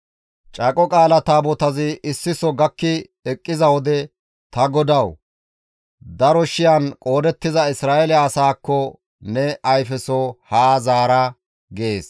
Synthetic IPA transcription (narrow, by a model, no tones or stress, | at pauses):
t͡ʃʼɐkʼɔkʼaːlɐt̪aːbɔt̪ɐzɪʔɪsːɪsɔɡɐkːɪ | ɛkʼːɪzɐwɔd̪ɛ | t̪ɐɡɔd̪ɐw | d̪ɐɾɔʃɪjɐnkʼo̞ːd̪ɛt̪ːɪzɐɪsɾaːʔɛlɛːsaːkːɔ | nɛʔɐjfɛsɔhaːzaːɾɐ | ɡeːs